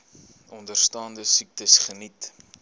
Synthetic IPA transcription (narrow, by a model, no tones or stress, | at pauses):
ɔndərstɑːndəsik̚təsχənit